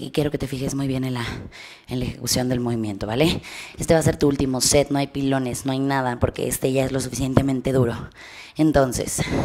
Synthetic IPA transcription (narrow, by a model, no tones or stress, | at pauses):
ḭkje̞ɾo̞ke̞t̪e̞fixe̞zmujβje̞nenla | enlaexe̞kusjo̞nd̪e̞lmo̞βimjẽ̞nt̪o̞βalee̞st̪e̞βas̬e̞ɾt̪uult̪imo̞se̞t̪no̞ajpilo̞ne̞zno̞ajnaðapo̞ɾke̞̰ʔest̪e̞ʝae̞zlo̞sufisje̞nt̪e̞mẽnt̪e̞ðuɾo̞ | ent̪o̞nsḛs